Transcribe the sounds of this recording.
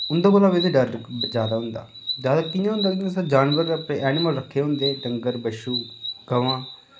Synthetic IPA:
ʊnd̪ãːbəlaːbed̪eːɖəɾd͡ʒjaːd̪aːɦʊ̃nd̪a̰ːzjaːd̪aːkɪnãːɦʊ̃nd̪aːkĩsãːd͡ʒaːnʋəɾəpɽẽːʔɛːnɪməlɾəkʰːeːɦʊ̃nd̪eːɖəŋɡəɾbəʃuːɡ̥əʋãː

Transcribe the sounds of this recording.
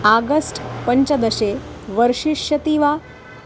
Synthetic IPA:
aɡəsʈpəɲt͡ɕəd̪əɕeʋəɾʂiʂət̪iʋa

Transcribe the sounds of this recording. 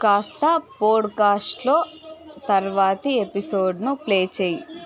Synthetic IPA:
kaːst̪ɐpoːɖkaːsʈloːt̪ɐɾʋaːt̪iepisoːɖnupleːt͡ʃeːji

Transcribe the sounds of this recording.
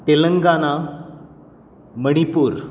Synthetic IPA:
t̪elɐŋɡaːna | məɽ̃ipuːɾ

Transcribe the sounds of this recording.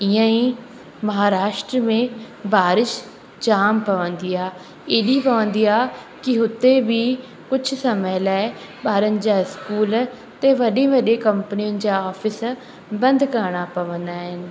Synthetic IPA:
ɪjãːĩː | məɦaːɾaːʃʈɾəmẽː | baːɾɪʃ | d͡ʒaːmpəʋə̃nd̪iːaː | eːɗiːpəʋə̃ːn̆d̪iːaː | kɪɦʊt̪ːeːbiː | kʊt͡ʃʰsəməlɛː | baːɾənd͡ʒaːɪskuːl | t̪eːʋəɗẽːʋəɗeːkəmpəniənɪ̆d͡ʒaːɔːpʰɪs | bə̃nd̪kəɾɳaːpəʋə̃nd̪aːɦɪn

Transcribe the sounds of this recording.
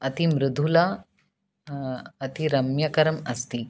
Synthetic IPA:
ɐt̪imɾɪd̪ʱula | ɐt̪ʰiɾɐmjɐkɐɾəmɐst̪i

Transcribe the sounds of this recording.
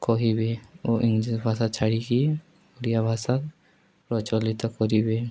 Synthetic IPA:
kɔɦibeɔʔiŋd͡ʒibʱasat͡ʃʰaɽiki | uɾijabʱasak | pɾɔt͡ʃɔlit̪ɔkɔɾibe

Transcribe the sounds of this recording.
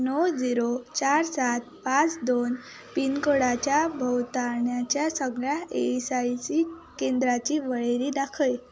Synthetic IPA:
nɔwd͡ziɾot͡ɕaɾsat̪̚pat͡sd̪on | pinkəɽat͡ɕjabʱəwt̪aɾɳjat͡ɕjasəɡɭjaesajsikend̪ɾat͡ɕiːʋəɭeɾiːd̪akʰəj

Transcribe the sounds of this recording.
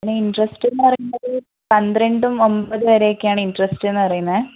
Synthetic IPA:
ɐinːeiɳɖrɐsʈenːɨpɐrɐjunːɐðɨ | pɐnd̪ɾeɳɖumo̞mbɐðɨʋɐɾeːkːejaːɳɨiɳɖrɐsʈenːɨpɐrijunːɐðɨ

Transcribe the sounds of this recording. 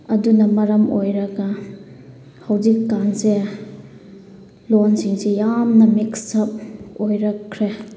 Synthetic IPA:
ɐdunɐmɐɾɐmojɾɐɡɐ | hɐwzikːanse | lonsiŋsejamnɐmiksɐp̚ojɾɐkʰɾe

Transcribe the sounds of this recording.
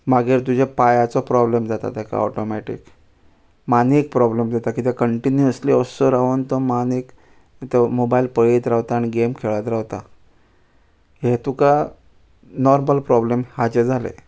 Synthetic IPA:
maɡeɾt̪ud͡ʑʱepajat͡sɔpɾɔblemd͡zat̪a̰t̪aka̰ɔ̰ʈɔmɛʈḭk | manik̚pɾɔblemd͡zat̪akit̪ɛkəɳʈinjuəsliəsɔɾaʋənt̪ɔmanik | t̪emobailpəɭet̪ɾaʋt̪aːɽ̃iɡemkʰeɭat̪ɾaʋt̪a | ɦet̪uka | nɔɾməlpɾɔblemhat͡ɕed͡zʱalḛ

